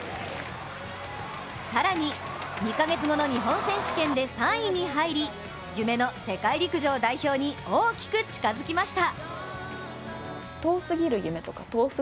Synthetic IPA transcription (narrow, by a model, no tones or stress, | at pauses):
saɾaɲ̟i | ɲ̟ikaɡe̞t͡sɨɡo̞no̞ɲ̟iɦõ̞ɰ̃sẽ̞ɰ̃ɕɨ̥kẽ̞nd̪e̞sãɰ̃iɲ̟iɦaiɾʲi | jɯme̞no̞t̪e̞kaiɾʲikɯ̟ʑo̞ːd̪aiço̞ːɲ̟ioːkʲi̥kɯ̟t͡ɕi̥kazɨkʲimaɕi̥t̪a | t̪o̞ːsɨɡʲiɾɯ̟jɯ̟me̞t̪o̞kat̪oːs